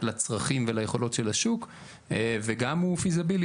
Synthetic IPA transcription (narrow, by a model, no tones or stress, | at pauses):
lat͡sʁaχimvelajeχo̞lo̞tʃelaʃuk | veɡamufizabil